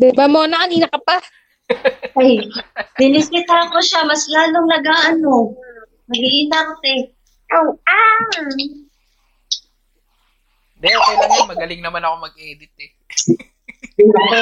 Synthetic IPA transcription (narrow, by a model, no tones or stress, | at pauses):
d̪ɛbamonɐkɐniːnɐkɐpa | ajbɪnɪsɪt̪akoʃamɐslaːloŋnɐɡaŋʔɐno̞ | nɐɡiʔinasɛ | ʔoʔa | d̪ɛwɛnɐnɐmɐɡɐlɪŋnɐmanɐkomɐɡ̚ʔɛːd̪ɪt̪̚ɛ | a